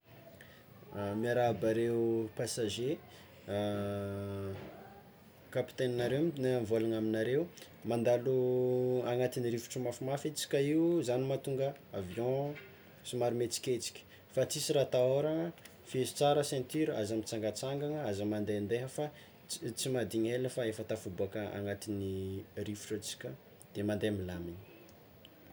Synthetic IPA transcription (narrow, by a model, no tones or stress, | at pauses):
miaɾabaɾewpasaʒe | kapi̥t̪eninaɾewiinmvolanaminaɾewu | mand̪aluaŋat̪iniɾifu̥ʈ͡ʂumafimafet͡si̥kʲaiwuzanimat̪uŋɡəavjɔ̃ | simaɾimet͡si̥kʲet͡si̥kʲə̥ | fat͡sisiɾat̪aoɾaŋə | fezu̥t͡saɾəsɛ̃nt̪iɾua̰zamit͡saŋɡat͡saŋɡaŋəazamand̪eand̪eɦəfa | t͡simad̪iɲeləfaefət̪afubuakəa̰ŋat̪inirifu̥ʈ͡ʂat͡si̥kʲə | d̪̥emand̪eamilamini̥